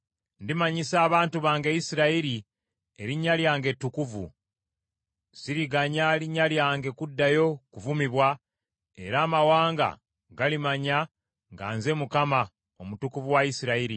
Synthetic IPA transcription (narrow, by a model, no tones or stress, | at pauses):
ndimaɲisaːβaːntuβaːŋɡejisiɾaiɾi | e̞ɾiɲːaljaːŋɡe̞tːukuvṵ | siɾiɡaɲaliɲːaljaːŋɡe̞kudːajo̞kuvumiβwa | ḛɾaːmawaːŋɡa̰ | ɡalimaɲa | ŋɡa̰ːnze̞mukama | o̞mutukuvuwaisiɾaiɾi